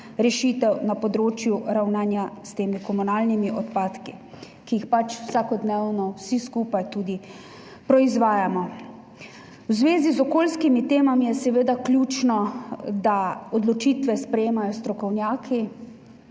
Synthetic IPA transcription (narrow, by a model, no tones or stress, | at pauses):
ɾɛʃiːt̪ɛwnapɔd̪ɾoːt͡ʃjuɾawnaːnjast̪eːmikɔmunaːlnimiʔɔt̪paːt̪ki | kijixpat͡ʃwsakɔd̪neːwnɔwsiskuːpajt̪uːd̪i | pɾɔizʋaːjamɔ | wzʋeːzizɔkoːlskimit̪eːmamijɛsɛʋeːd̪akljuːt͡ʃnɔd̪aɔd̪lɔt͡ʃiːt̪ʋɛspɾɛjeːmajɔst̪ɾɔkɔwnjaːkʰi